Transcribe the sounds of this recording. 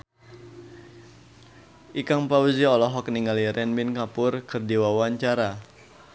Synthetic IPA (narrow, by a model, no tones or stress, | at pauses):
ʔikaŋpauziɔlɔɦɔkniŋaliɾɛnminkapʊrkɨrdewawaɲt͡ʃaɾa